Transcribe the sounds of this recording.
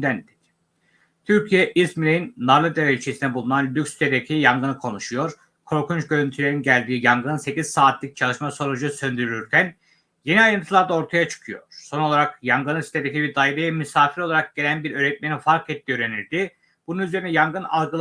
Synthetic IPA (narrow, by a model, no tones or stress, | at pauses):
d̪ænd̪ | t̪ʰyɾcʰijɛʔismilʲejinːaɾlˠɯd̪evelʲt͡ʃʰesind̪ɛbulˠunanlʲyksi̥t̪ʰed̪ecʰijaŋɡɯnɯkʰo̞nuʃujo̞ɾ | kʰo̞ɾkunt͡ʃɟø̞ɾynt̪ʰylʲe̞ɾinɟælʲd̪iːjaŋɡɯnse̞cʰiz̥saːt̪ʰlʲic̚t͡ʃʰalˠɯʃmaso̞ɾud͡ʒusø̞nd̪yɾylʲyɾcʲʰæn | je̞niajɾɯnt̪ʰɯlˠaɾd̪ao̞ɾt̪ʰajat͡ʃʰɯ̥kʰɯjo̞̰ɾ̥so̞no̞lˠaɾakjaŋɡɯnɯsi̥t̪ʰed̪ecʲibiɾd̪ajiɾajɯmysaːfiɾo̞lˠaɾak̚ɟ̥e̞lʲænbiɾø̞ːɾɛt̪̚meninfaɾkʰɛt̪ʰːiːøːɾe̞niɾd̪i | b̥ununyze̞ɾinɛjaŋɡɯna̰lˠɡɯlˠ